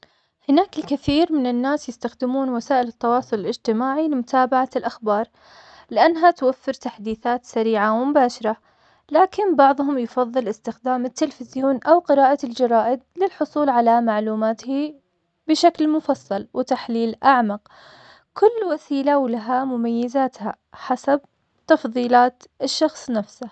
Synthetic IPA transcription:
hɪnaːkɪlkaθiːɾmɪnɪnːaːsjɪst̪axd̪ɪmuːnwasaːʔɪlɪt̪ːɑwɑːsˤʊlɪlɪd͡ʒt̪ɪmaːʕilɪmʊt̪ʰaːbaʕalʔaxbɑːɾˤ | lɪʔanːɦat̪wafːɪɾt̪aħd̪iːθaːt̪saɾiːʕawɪmʊbaːʃɑɾˤa | laːkɪmbɑʕðˤhʊmjɪfɑðˤːɨlʔɪst̪ɪxd̪aːmɪt̪ːɪlfɪzjoːnʔawqɪɾaːʔald͡ʒɑɾˤɑːʔɪd̪̚lɪlħʊsˤuːlʕalamaʕluːmaːt̪hi | bɪʃaklmʊfɑsˤːɑlwɪt̪aħliːlʔaʕmɑq̚ | kʊlːwasiːlawlaɦamʊmajːɪzaːt̪ha̰ | ħasab | t̪ɑfðˤiːlaːt̪ɪʃːɑxsˤnafsa

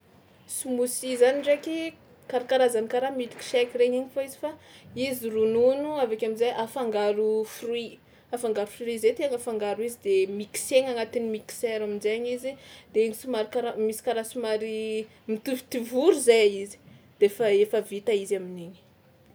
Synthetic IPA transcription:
sumusizaniɳɖ͡ʐeki | kaɾakaɾazanikaɾamit̪i̥ki̥ʃɛkiɾeɲiɲifoizi̥faizirununuavakʲaminzajʔafaŋɡaɾufrwi | afaŋɡaɾufrizet̪iaŋafaŋɡaɾuizid̪emiki̥seŋaŋat̪inimiki̥seɾaminzaɲizid̪̥enisimaɾikaɾamisi̥kaɾasumaɾi | mit̪ivt̪ivuɾuzajaizi̥d̪̥efaefəvit̪aizamineɲi̥

